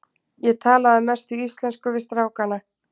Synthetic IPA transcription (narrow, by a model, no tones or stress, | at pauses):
jɛt̪ʰaːlaðamɛst̪ʏist̪lɛnskʏvɪst̪ɾaːwkana